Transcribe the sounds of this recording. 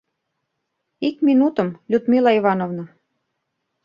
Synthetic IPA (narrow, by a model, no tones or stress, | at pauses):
ikmʲinut̪ə̆mlʲud̪mʲilɑiβɑnovnɤ